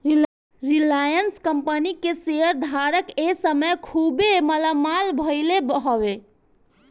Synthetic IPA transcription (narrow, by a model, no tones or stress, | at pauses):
ɾilajənskəmpənikesejəɾd̪ʱaɾəkesəməjkʰubemələmalbʱəɪlebəɦɔʋe